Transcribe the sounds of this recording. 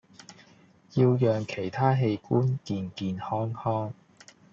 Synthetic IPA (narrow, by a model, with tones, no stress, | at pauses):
jiː˧wjœː˨ŋkʰe˨˩jt̪ʰaː˥ɦe˧jkuː˥nkiː˧nkiː˨˧nhɔː˥ŋhɔː˥ŋ